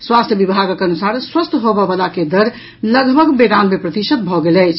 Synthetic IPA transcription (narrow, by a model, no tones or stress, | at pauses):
swast̪ʰjəbibʱaɡkənusaɾswəst̪ʰɦobəbəlaked̪əɾ | ləɡbʱəɡbeɾanmepɾət̪isət̪̚bʱɔɡelɛjt͡ʃʰ